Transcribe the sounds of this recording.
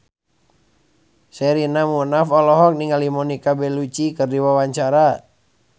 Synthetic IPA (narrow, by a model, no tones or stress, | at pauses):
sɛɾinamunafɔlɔɦɔk̚niŋalimɔnikabɛlut͡ʃikɨrdiwawaɲt͡ʃaɾa